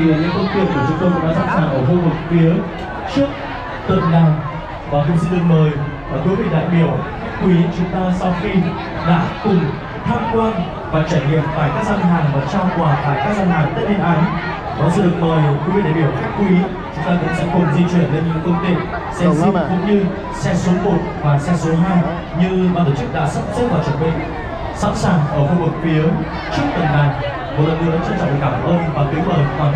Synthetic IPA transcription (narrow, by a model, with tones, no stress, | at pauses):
i˧˨ɲɨ̰˧˥ŋk̪ə˧wŋ͡mt̪i˧˩ək̚k̪u˧˩zɨ̰˧kə˧kṵ˧˥ŋ͡mɗa̰ː˧zaː˧˥saː˧˩ŋʔəː˧˩xu˧vɨ˨˩k̚fi˨˦ə | t͡ɕɨ˦˥ək̚ | t̪ə˨˩n̚laː˨˩m | vaː˨˩k̪ʊ˧˩ŋ͡msi˧nɗɨ˨˩ək̚məː˨˩j | ʔaː˨˩t̪jvi˧˨˩ɗa̰ː˧˨jɓi˧˩əwxa˦˥k̟̚kwi˨˦t͡ɕʊ˨˦ŋ͡mt̪aː˧sɔ˧wxi˧ | ɗa̰ː˧˥kʊ˨˩ŋ͡m | t̪ʰaː˧mkwaː˧n | vaː˨˩t͡ɕaː˧˩jŋḭ˧˨əmfaː˧˩jkaː˦˥k̚zaː˧nɦaː˨˩ŋvəː˨˩t͡ɕa˧wkwfaː˧˩jkaː˦˥k̚zaː˧nhaː˨˩ŋt̪ə˦˥ne˧nʔaː˨˦n | kɔ˨˦zu˧˨˩ɗɨ˨˩ək̚məː˨˩jki˨˦vi˧˨ɗa˨˧˩ɓi˧˩ə˨wt̪i˦˥k̚kwi˨˦ | t͡ɕʊ˨˦ŋ͡mt̪aː˧kʊ̰˧˥ŋ͡msɛ̰˧˥ku˨˩ən̚zi˧t͡ɕwi˧˩ənle˧nɲɨ̰˧˥kə˧ŋ͡mt̪i˨˩əp̚ | sɛ˧zi˧kʊ̰˧˥ŋ͡mɲɨ˧ | sɛ˧so˨˦mo˨˩t̚vaː˨˩sɛ˧so˨˦ɦaː˧j | ɲɨ˧aː˧nt̪oː˧˩t͡ɕɨ˦˥k̚ɗa̰ː˧˥sə˦˥p̚zə˦˥t̚vaː˨˩t͡ɕə˨˩ɓḭ̈˧˨ŋ | sa̰˧˥saː˨˩ŋʔəː˧˩xu˧vɨ˨˩k̚fi˨˦əw | t͡ɕɨ˦˥ək̚t̪ə˨˩nɗa˨˩j | mo˨˩ləː˨˩ŋɨ˨˩˨ʔa˨˦t͡ɕə˧nt͡ɕɔ̰˧˨˩kaː˧˩m˨˩ʔəː˧nvaː˨˩t̪i˨˦əwɓəː˨˩waː˨˩